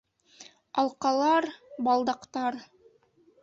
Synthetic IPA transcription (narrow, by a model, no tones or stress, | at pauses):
ɑlˠqɑlˠɑɾbɑlˠd̪ɑqt̪ɑɾ